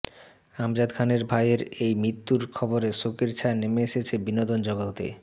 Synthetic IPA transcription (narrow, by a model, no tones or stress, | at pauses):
amd͡ʑad̪kʰaneɾbʱajeɾejmɾit̪ːuɾkʰɔboɾesokiɾt͡ɕʰanemeeʃet͡ɕʰebinod̪ond͡ʑɔɡalt̪ḛ